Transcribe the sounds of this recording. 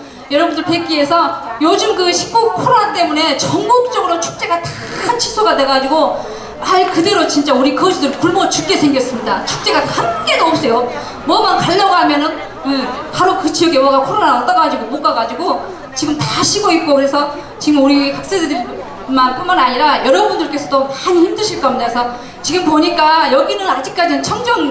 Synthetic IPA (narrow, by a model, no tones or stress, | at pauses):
jʌɾʌbundɯɭpe̞k͈ie̞sʰʌjod͡ʑɯmkɯɕʰi̥k͈okʰoɾonant͈e̞mune̞t͡ɕʌŋɡok̚t͡ɕ͈ʌɡɯɾot͡ɕʰu̥k̚t͡ɕ͈e̞ɡatḁ | kʰant͡ɕʰi̥sʰoɡadwe̞ɡad͡ʑiɡo | aikɯde̞ɾot͡ɕint͡ɕ͈auɾikʌd͡ʑidɯɭkuɭmʌt͡ɕuk͈e̞sʰe̞ŋɡjʌs͈ɯmɲidat͡ɕʰu̥k̚t͡ɕ͈e̞ɡahank͈e̞doʌp̚s͈ejo | mʌmankaʎːʌɡamjʌnɯn | kɯpaɾokɯt͡ɕijʌɡjʌwaɡakʰoɾonaʌt͈aɡad͡ʑiɡomok͈aɡad͡ʑiɡo | t͡ɕiɡɯmtaɕʰiɡoit̚k͈okɯɾe̞sʰʌ | t͡ɕiɡɯmuɾikak̚s͈edɯɾi | manp͈unmanaɲiɾajʌɾʌbundɯɭk͈e̞sʰʌdomaɲiçimdɯɕʰiɭk͈ʌmɲidakesʰʌ | t͡ɕiɡɯmpoɲik͈ajʌɡinɯnad͡ʑik̚k͈ad͡ʑinɯnt͡ɕʰʌŋd͡ʑʌŋ